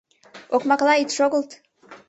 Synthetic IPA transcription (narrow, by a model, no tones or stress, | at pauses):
okmaklˠait̪ʂoɡəlˠt̪